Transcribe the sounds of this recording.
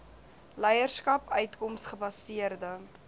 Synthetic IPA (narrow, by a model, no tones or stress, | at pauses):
lɛjərskɐpœɥtkɔmsχəbɐsiərdə